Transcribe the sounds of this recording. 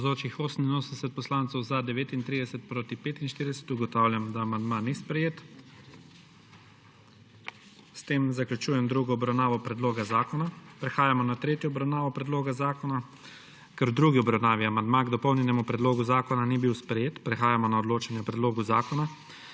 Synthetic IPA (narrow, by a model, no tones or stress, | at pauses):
zoːt͡ʃixoːsən̩inoːsənd̪ɛsɛt̪̚pɔslaːnt̪sɛwzad̪ɛʋeːt̪int̪ɾiːd̪ɛsɛt̪̚pɾoːt̪ipeːt̪inʃt̪iɾid̪ɛsɛ̥t̪uɡɔt̪awlʲjamd̪aːmand̪manispɾɛjeːt̪ | st̪eːmzaklut͡ʃuːjɛmd̪ɾuɡɔːbɾawnaːʋɔpɾɛd̪loːɡazaːkɔnapɾɛxaːjamɔnat̪ɾeːt̪jɔɔbɾawnaːʋɔpɾɛd̪loːɡazaːkɔna | kɛɾd̪ɾuːɡiɔbɾawnaːʋiamand̪maɡd̪ɔpɔwnjɛnɛmupɾɛd̪loːɡuzaːkɔnanibiwspɾɛjeːt̪pɾɛxaːjamɔnaɔd̪loːt͡ʃanjɛpɾɛd̪loːɡuzaːkɔna